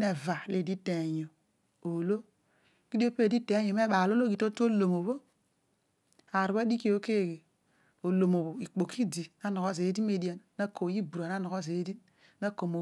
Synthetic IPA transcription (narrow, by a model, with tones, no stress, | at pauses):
ne˨va˨le˦˨di˦te˨ɲo˨ | o˨lo˦ | ki˦do˦pe˦˨di˦te˨˦ɲo˨m˦e˦ɓa˨lo˦lo˦ɡi˨to˦to˦lo˨mo˨βo˦ | a˨ɾu˨βa˦di˦ki˦o˦ke˦˨ɡe˨ | o˨lo˨mo˨βo˨i˨k͡po˨kʰi˦di˨na˦no˨ko˦ze˨˦di˦me˦˨di˦a˨nna˦ko˨ji˦bu˨ɾa˨n˦a˦no˨ko˦ze˨˦di˦ | na˦ko˨mo˨